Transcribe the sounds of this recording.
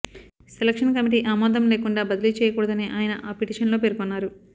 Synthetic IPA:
selɐkʂɐnkɐmiʈ̬iːʔaːmaːd̪ɐmleːkuɳɖaːbɐd̪ɐlit͡ʃɛːjɐkuːɽɐd̪ɐneːʔaːjɐnɐʔaːpiʈiːʂɐnloːp̬eːɾkonːaːɾu

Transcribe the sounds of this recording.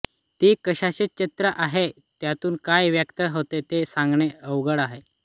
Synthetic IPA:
t̪ikəɕaɕit͡ɕit̪ɾəʔaɦe | t̪jat̪uːnkajʋjəkt̪əɦot̪et̪esãŋɡɳeəʋɡəɽaɦe

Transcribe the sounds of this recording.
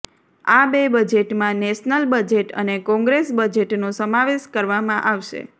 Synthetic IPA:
abebəd͡ʒeʈmãnɛʃnəlbəd͡ʒeʈə̰nekɔ̃ŋɡɾesbəd͡ʒeʈnosəmaʋeʃkəɾʋamãʔaʋʃḛ

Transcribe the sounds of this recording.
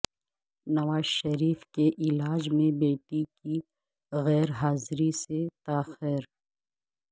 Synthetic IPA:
nɐʋaːz̥ʃɐɾiːfkeʔɪlaːd͡ʒmẽbeːʈiki | ɣɛːɾɦaːzɾiset̪aːxɪɾ

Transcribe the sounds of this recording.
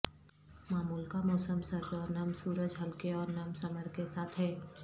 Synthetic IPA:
maːmuːlkamɔːsəmsɐɾbɔːɾnɐmsuːɾəd͡ʒɦɐlkeɔːɾnɐmsɐməɾkesaːt̪ʰɦɛː

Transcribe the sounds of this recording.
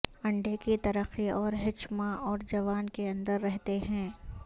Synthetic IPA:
ɐ̃ɳɖekit̪ɐɾəqiɔːɾɦɪt͡ʃmãɔːɾd͡ʒɐʋaːnkeɐ̃nd̪əɾːɛɦt̪eɦɛ̃ː

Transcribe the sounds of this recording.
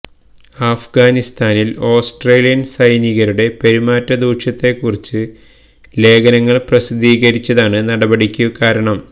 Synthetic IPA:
aːfɡaːnist̪aːnilo̞ːsʈre̞ːlijɐnsɐjniɣɐɾuɽe̞pe̞ɾumaːtːɐd̪uːʂɐt̪ːe̞kːurit͡ɕːɨ | le̞ːɡɐnɐŋːɐɭprɐsid̪iːɣɐɾit͡ɕːɐðaːɳɨnɐɽɐbɐɽikʲːukaːɾɐɳɐm

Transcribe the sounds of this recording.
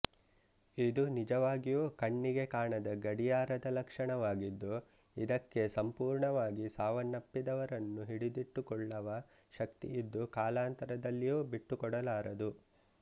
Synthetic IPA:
id̪unid͡ʒɐʋaːɡijuːkɐɳːiɡe̞kaːɳɐd̪ɐɡɐɽijaːɾɐd̪ɐlɐkʂɐɳɐʋaːɡid̪ːu | id̪ɐkːe̞sɐmpuːɾɳɐʋaːɡisaːʋɐnːɐpːid̪ɐʋɐɾɐnːuɦiɽid̪iʈːukɔɭːɐʋɐ | ʃɐkt̪ḭid̪ːukaːlaːnt̪ɐɾɐd̪ɐlːijuːbiʈːukɔɽɐlaːɾɐd̪u

